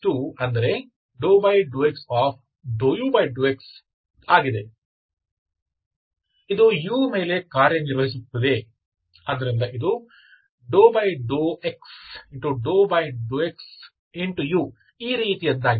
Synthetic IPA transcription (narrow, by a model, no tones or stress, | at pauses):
t̪uːɐnd̪ɐɾe̞ | ɖoːbɐjɖuːeksaːp̚ʰ | ɖoːjuːbɐjɖuːeks | aːɡid̪e | id̪ujuːmeːle̞kaːɾjɐniɾʋɐɦis̬ut̪ːɐd̪e̞ | ɐd̪ɐɾind̪ɐʔid̪u | ɖoːbɐjɖoːeksiɳʈuɖoːbɐjɖuːeks | iɳʈujuː | iːɾiːt̪ijɐd̪ːaːɡ